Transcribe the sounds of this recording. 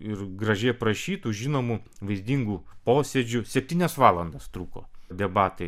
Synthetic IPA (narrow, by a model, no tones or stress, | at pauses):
ɪɾɡɾɐʒʲɛɪpɾɐʃʲiːt̪uːʒʲɪnoːmu | ʋɐɪzʲd̪ʲiːŋɡuːpoːsʲɛd͡ʒʲʊsʲɛpʲt̪ʲiːnʲɛsʋɑːlˠɐnd̪ɐst̪ɾuːko̰ːd̪ʲɛbɑːt̪ɐɪ